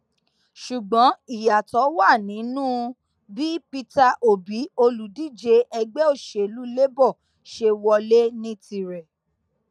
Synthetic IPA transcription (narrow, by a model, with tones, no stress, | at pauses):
ʃu˨ɡ͡bɔ̃˨˦i˦˨ja˨tɔ˨˦wa˦˨nĩ˨˦nũː˦ | bi˦pi˧ta˧ʔo˨bi˨˦o˧lu˨di˦˨d͡ʒe˧ʔɛ˧ɡ͡bɛ˦o˦˨ʃe˨lu˨˦le˦bɔ˦˨ | ʃe˧wɔ˧le˦nĩ˦ti˧ɾɛ˨